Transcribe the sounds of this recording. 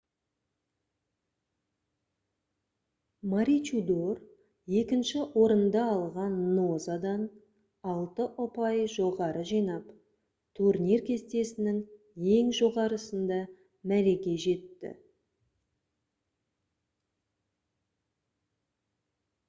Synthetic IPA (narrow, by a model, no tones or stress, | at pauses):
maɾit͡ʃud̪o̞r | je̞kʲɪnʃɪwo̞ɾənd̪ɑːlˠʁɑnːozad̪ɑn | ɑlˠt̪əʔʊpɑjʒo̞ʁɑɾəʒijnɑp | t̪ʰuɾnʲirkʲʰe̞st̪e̞sɪnɪŋ | e̞ŋʒo̞ʁɑɾəsənd̪ɑ | mæɾe̞ɡʲe̞ʒe̞t̪ːɪ̰